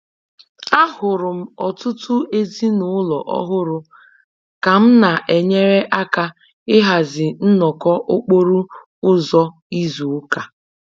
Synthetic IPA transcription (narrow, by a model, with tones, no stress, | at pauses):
a˦hʊ˨ɾʊ˨m̩˦ɔ˨tʊ˦tʊ˦e˦zi˦nʊ˨˦ʊ˦lɔ˨ʔɔ̰˦ɦʊ˦ɾʊ˨ | ka˨m̩˦na˨ʔe˨ɲe˦ɾe˦ʔa˦ka˦ | ɪ˦ɦa˨zɪ˨n̩˦nɔ˨kɔ˦ʔʊ˦k͡po˦ɾu˦ | ʊ˦zɔ˦ | i˦zu˨˦ka˨